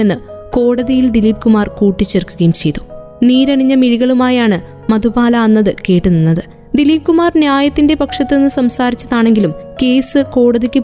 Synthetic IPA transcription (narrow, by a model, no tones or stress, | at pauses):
enːɨko̞ːɽɐðijild̪iliːb̚kumaːrkuːʈːit͡ɕːerkːuɣɐjumt͡ɕe̞jt̪u̥ | niːɾɐɳiɲːɐmiɻiɣɐɭumaːjaːɳɨ | mɐðubaːlaɐnːɐðɨke̞ːʈːuninːɐðɨ | d̪iliːb̚kumaːrnjaːjɐt̪ːinde̞pɐkʂɐt̪ːɨenːɨsɐmsaːɾit͡ɕːɐðaːɳe̞ŋɡilum | ke̞ːsɨko̞ːɽɐðikʲːɨ